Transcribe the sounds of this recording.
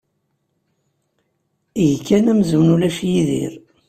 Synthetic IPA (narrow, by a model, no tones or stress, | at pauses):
iʝkʰːænæmzuwnulæʃjiðḭɾ